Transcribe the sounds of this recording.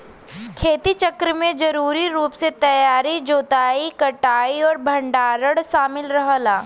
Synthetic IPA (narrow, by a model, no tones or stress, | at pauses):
kʰeːt̪it͡ʃɐkɾəmẽd͡ʒɐɾuːɾiɾuːpset̪ɐjaːɾid͡ʒoːt̪aːikɐʈaːiɔːɾbʱɐ̃ɳɖaːɾəɽʃaːmɪlɾɐɦlaː